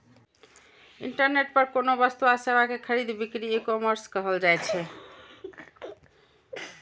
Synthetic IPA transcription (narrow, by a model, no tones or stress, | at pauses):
ḭɳʈəɾneʈ̚pəɾkonobəst̪uasebakekʰəɾid̪bikɾiekɔməɾskəɦəld͡ʒajt͡ʃʰɛ